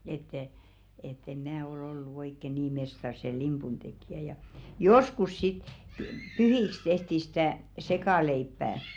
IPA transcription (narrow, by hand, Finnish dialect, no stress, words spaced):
etːɛ etː em mæ ol olːu oikːe niː mestɑr se limpun tekjæ jɑ joskus sit py pyhiks tehti si̥tæˑ sekɑˑleipːæː